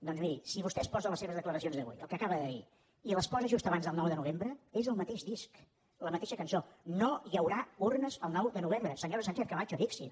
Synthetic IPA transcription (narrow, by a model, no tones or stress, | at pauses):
d̪ɔnzmiɾisiβust̪ɛəspɔzəlˠəseβəzðəkləɾəsionzðəβṵjəlˠkəkaβəðəðḭ | iləspɔzəʒust̪əβanzðəlˠnɔwðənuβembɾəezəlˠmət̪eʒd̪isk | ləmət̪eʃəkənsonojəwɾaurnəzəlˠnɔwd̪ənuβembɾəsəɲoɾəs̬ansɛfkəβat͡ʃəβiksḭ